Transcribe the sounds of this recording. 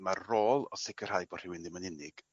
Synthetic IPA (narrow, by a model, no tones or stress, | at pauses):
marroːlˠɔsɪkʰər̥hajbɔr̥ɪwɪndɪmənɪnɪɡ̥